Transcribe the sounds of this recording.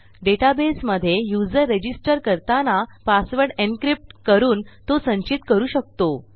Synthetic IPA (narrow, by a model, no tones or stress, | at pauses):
ɖeʈabesməd̪ʱːjejud͡zəɾːed͡ʑisʈəɾkəɾt̪anapasʋəɾɽenkɾip̚ʈkəɾuːnt̪osə̃ɲt͡ɕit̪kəɾuːɕək̚t̪o